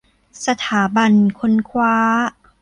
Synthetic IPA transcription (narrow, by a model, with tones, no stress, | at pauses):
sa˧t̪ʰaː˩˦ba˧nkʰo˧˥nkʰwaː˦˥